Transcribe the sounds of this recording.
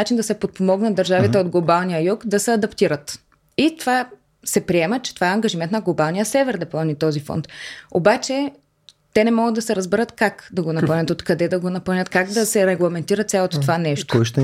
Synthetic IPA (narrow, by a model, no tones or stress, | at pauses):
at͡ʃind̪ɐsɛpot̪̚pomɔɡnɐt̪d̪ɐɾʒavit̪ɛod̪ɡlˠobalˠnijəjukd̪ɐsɛɐd̪ɐpt̪iɾət̪ | it̪ova | sɛpɾiɛmət͡ʃɛ̥t̪ovaɛɐŋɡɐʒimɛnt̪nɐɡlˠobalˠnijəsɛvɛɾd̪ɛplˠɐvnit̪ɔzifɔ̰nt̪obat͡ʃɛ | t̪ɛnɛmɔɡəd̪d̪ɐsɛɾɐzbɛɾət̪kakd̪ɐɡonɐpɐlˠnʲət̪ot̪kɐd̪ɛd̪ɐɡonɐpɐlnʲət̪kaɡd̪ɐsɛɾɛɡlˠɐmɛnt̪iɾət̪sʲalˠot̪o̥t̪ovanɛʃt̪oʃt̪